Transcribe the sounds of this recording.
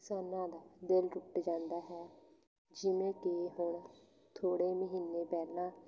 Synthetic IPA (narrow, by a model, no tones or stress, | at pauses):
saːnãːd̪aːd̪elɾʊʈd͡ʒãːnd̪aːɦɛː | d͡ʒɪmẽːkeɦʊɳ | t̪ʰoːɽeːməɦiːnːeːpɛːlnãː